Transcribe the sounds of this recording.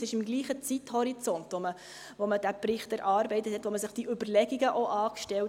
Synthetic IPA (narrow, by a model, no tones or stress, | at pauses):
sɪʃɪmɡliːχət͡sithɔɾit͡sɔntʋomə | ʋoməd̥æprɪχtəɾʔɑːɾbɛɪtəthɛt̪ːʋoməsɪχd̥iʔʏbərlɛɡiɡəʔoʔɑːkʃtɛl